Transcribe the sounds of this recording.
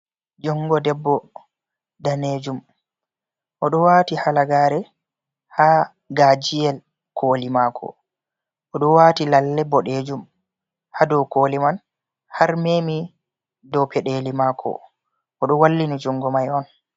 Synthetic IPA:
d͡ʒɔŋɡɔdɛbːɔ | daneːd͡ʒum | ʔɔɗɔwaːtihalaɡaːɾɛ | ha | ɡad͡ʒijɛl | kʰolimakʰɔ̰ | ʔɔɗɔwatilalːɛbɔɗed͡ʒum | hadɔwkoːliman | haɾmeːmi | dɔpɛɗeːlimaːkʰɔ̰ | ʔɔɗɔwalːinid͡ʒɔŋɡɔmajɔn

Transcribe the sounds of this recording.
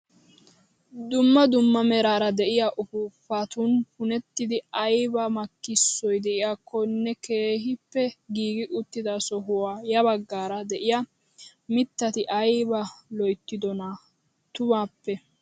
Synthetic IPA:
d̪ʊmːɐd̪ʊmːɐmɛɾaːɾɐd̪ɛʔɪjaʔʊfufːaːt̪ʊnhʊnɛt̪ːɪd̪ɪɐjbɐmɐkːɪsːɔjd̪ɛʔɪjaːkʰːɔnːɛke̞ːɦɪpːɛɡiːɡɪʔʊt̪ːɪd̪ɐsɔɦʊwaːjɐbɐɡːaːɾɐd̪ɛʔɪjɐ | mɪt̪ːɐt̪ɪʔɐjbɐlɔjt̪ːɪd̪ɔna | t̪ʊmaːpːɛ

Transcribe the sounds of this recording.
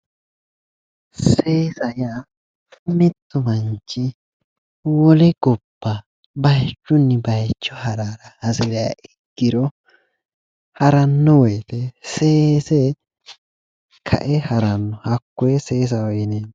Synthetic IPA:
seːsɐja | mɪt̪ːʊmɐnt͡ʃːɪ | wɔlɛɡ̥ɔb̥ːa | bɐjt͡ʃːʊnːɪbɐjt͡ʃːɔhɐɾaːɾɐhɐsɪɾɪja̰ʔɛɡ̥ːɪɾɔ | hɐɾɐnːɔwɔjt̪ɛseːsɛ | kʰɐ̰ʔɛhɐɾɐnːɔhɐkːɔɛseːs̬ɐɔjɪneː

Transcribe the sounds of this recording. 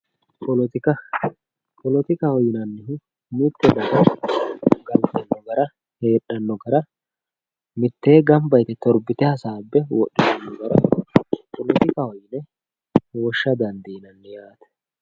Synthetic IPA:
pɔlɔt̪ɪkɐ | pɔlɔt̪ɪkɐhɔjɪnɐnːɪ | mit̪ːɛd̪ɐɡɐ | ɡɐlt̪ɛnːɔɡɐɾɐ | he̞ːɗːɐnːɔɡɐɾɐ | mɪt̪ːeːɡɐmbɐjt̪ɛt̪ɔɾbɪt̪ɛhɐsaːbːɛwɔ̰ɗːɪdɐnːɔɡɐɾɐpɔlɔt̪ɪkɐhɔjɪnɛ | wɔʃːɐd̪ɐnd̪iːnɐnːɛjaːt̪ɛ̥

